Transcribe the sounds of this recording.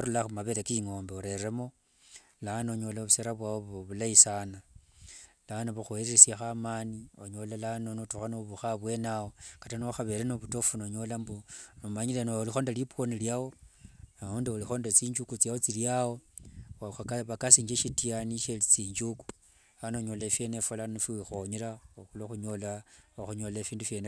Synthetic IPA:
oɾulaxumaβeɾekiŋoːmbeoɾe̞remo̞ | lanoɲo̞laβuseɾaβwawoβoβulaisana | lanoβuxueɾeesjaxamaːnioɲo̞lalanonotuxanoβuxaβwe̞nawokatanooxaβelenoβuto̞funoɲo̞lambunomaɲilenoolixondaliponiljawo̞auːndiolixo̞ndat͡siːɲd͡ʒukut͡sjawot͡siljawo̞axakaβakasiːɲd͡ʒeʃitianiʃelit͡siːɲd͡ʒuku̥ | anoɲolefje̞nefolannofiwixoɲiɾaoxuloxuɲolaoxuɲolefiːndufjene

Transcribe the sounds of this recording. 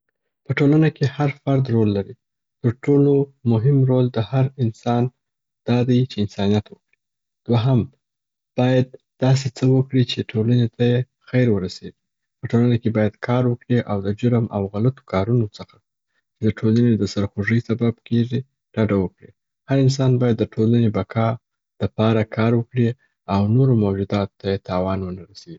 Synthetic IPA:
pəʈolanakehaɾfaɾd̪ɾolːaɾi | t̪əɾʈolomʊɦɪmɾold̪əhaɾɪnsɑn | d̪̥ɑd̪ajt͡ʃeɪnsɑnijat̪wəkɽi | d̪̥waɦam | b̥ɑjad̪̚ːɑs̬et͡səwəkɽit͡ʃeʈʰolanet̪aje | xajɾwəɾaseɡi | pəʈolanakebɑjad̪kʰɑɾwəkɽiʔawd̪əd͡ʒʊɾmʔawɣalat̪o̥kɑɾunot͡səxḁ | t͡ʃed̪əʈʰolaned̪əsaɾxoʐəjsabab̚keʐi | ɖ̥aɖawəkɽi | haɾɪns̬ɑnbɑjad̪ːəʈʰolanebakʰɑ | l̥əpɑɾakʰɑɾwəkɽi | awnoɾomawd͡ʒud̪ɑt̪t̪ːajet̪ɑwɑnwənaɾaseʐi

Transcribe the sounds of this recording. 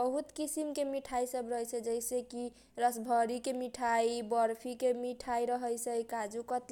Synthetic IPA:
bəɦut̪kisimkemiʈʰajsəbɾʌɦjsʰəd͡ʒəjseki | ɾʌsbʱʌɾikemiʈʰajbʌɾpʰikemiʈʰajɾʌɦəjsʰəjkad͡ʒukʌt̪l

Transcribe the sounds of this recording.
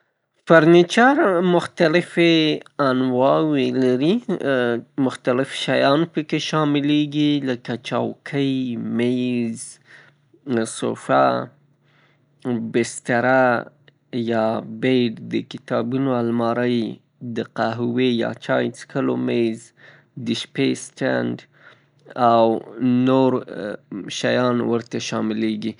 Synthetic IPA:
faɾnit͡ʃaɾmʊxt̪alɪfeanwɑwelaɾi | mʊxt̪alɪfʃajɑnpəkeʃɑmɪleɡiləkat͡ʃɑwkʰəjmejz | so̰fa | bɪst̪aɾa | jɑbejɖd̪əkɪt̪ɑbunoalmɑɾəj | d̪əqaɦwejɑ̰t͡ʃɑjt͡skəlomejz | d̪əʃpesʈa̰nɖ | awnoɾ | ʃajɑnwəɾt̪aʃɑmɪleɡi

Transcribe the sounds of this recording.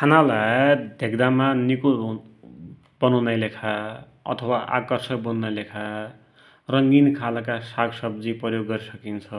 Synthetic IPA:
kʰanalad̪ʱeɡd̪amaniku | bʌnʌwnajlekʰa | ʌ̰t̪ʰʌwaʔa̰kʌrsʌk̚bʌnnajlekʰa | rʌŋɡinkʰalkasaɡsʌb̚d͡ziprʌjoɡːʌɾisʌkint͡sʰʌ

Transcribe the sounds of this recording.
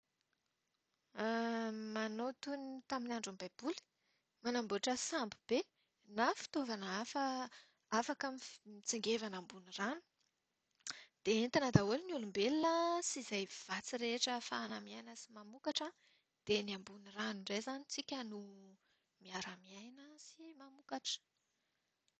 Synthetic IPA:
manot̪unit̪aminaɳɖ͡ʐambajb̥uli̥ | manambuaʈ͡ʂəsambib̥e | nafi̥t̪ovanafə | afakamiit͡siŋɡevanambuniranu̥ | d̪̥eent̪anad̪aulinulumbelinəsizajv̥at͡siɾeʈ͡ʂəfaːnamiajnəsimamukaʈ͡ʂa | d̪̥eniambuniraniɳɖ͡ʐejzanit͡sikʲənu | miaɾamiajnəsimamukaʈ͡ʂə̥

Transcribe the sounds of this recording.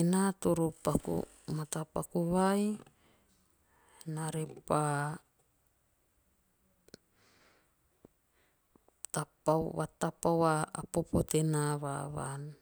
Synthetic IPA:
enat̪uɾupakṵ | mat̪apakuβaj | naɾepa | t̪apawat̪apawaːpopot̪enaβaβa̰n

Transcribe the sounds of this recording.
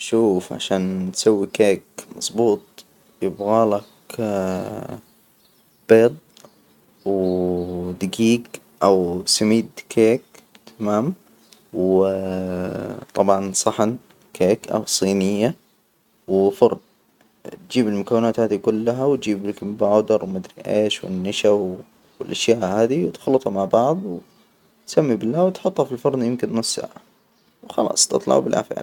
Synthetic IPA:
ʃuːfʕa̰ʃaːnt̪sawːikeːkmɑ̰sˤbuːt̪̚ˤ | jɪbɣaːlak | b̥eːd̪̚ˤ | w | d̪ɪɡiːɡ | ʔawsamiːd̪kʰeːk | t̪ʰamaːm | w | t̪ˤɑbʕɑnsˤɑħan | kʰeːkʔa̰wsˤiːnɪjːa | wɪfʊɾˤn | t̪̚d͡ʒiːbɪlmʊkawːɪnaːt̪haːd̪ikʊlːaɦawt̪̚d͡ʒiːbkmbaʕd̪ɑɾˤwmʊd̪ɾiʔḛːʃwɪ̰nːaʃab | wɪlʔaʃjaːʔhaːd̪iwt̪xlːɨt̪ˤhɑmaʕbɑʕðˤw̪ | samːibɪlːaːwt̪ħʊt̪ˤːhɑfilfʊɾˤnjɪmkɪnːʊsːa̰ːʕa | wxɑlɑ̰ːsˤt̪ɨt̪ˤlɑ̰ʕ̰bɪlʔa̰fa̰ːl

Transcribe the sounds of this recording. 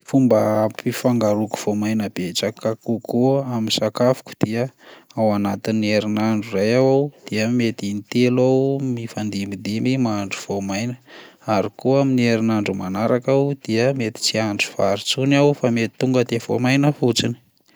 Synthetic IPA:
fumbəpifaŋɡaɾuku̥v̥omajnəb̥et͡sakakukuaminsakafu̥ku̥d̪̥iəawanat̪inːieɾinaɳɖ͡ʐurajawawd̪̥iəmet̪init̪elawmifand̪imid̪imimaɳɖ͡ʐuv̥omajnə̥aɾikuaminieɾinaɳɖ͡ʐumanaɾakawd̪̥iəmet̪i̥t͡siaɳɖ͡ʐuv̥aɾit͡sunawfamet̪i̥t̪ːuŋɡəd̪ev̥o̰majnəfut͡sini̥

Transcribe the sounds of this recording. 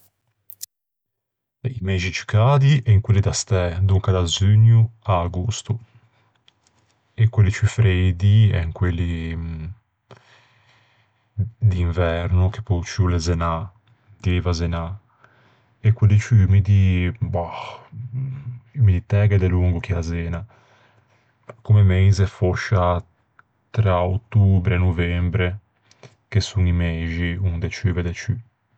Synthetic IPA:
imed͡ʒit͡ʃi̥kaːd̪iɛiŋkwelːid̪ast̪ɛd̪uŋkad̪azyɲuaɡust̪u | ɛkːwelːit͡ʃyfɾejd̪iɛ̰ŋkwelːi | d̪iːɱvɛɾnuke̥pːɔt͡ʃulɛzɛna | d̪iivazɛna | ɛkːwelːit͡ʃymid̪iba | imid̪it̪ɛːɡɛd̪ɛluŋɡukiazɛːna | komɛmejzɛfoʃa | t̪ɾaot̪ːubɾɛɛnuvɛmbɾɛ | kesuŋimeʒiund̪ɛt͡ʃyvɛd̪ɛt͡ʃy

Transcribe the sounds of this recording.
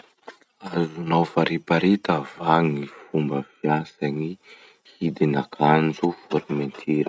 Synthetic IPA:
azunawfaɾipaɾit̪əvaŋifumbəfjasani | hid̪inakʰand͡zufoɾiment̪ʰiɾə̥

